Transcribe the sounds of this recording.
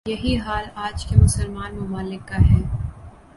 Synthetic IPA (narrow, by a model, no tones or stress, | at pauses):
jɐɦiɦaːlaːd͡ʒkemʊsəlmaːnmʊmaːlɪkːaɦɛː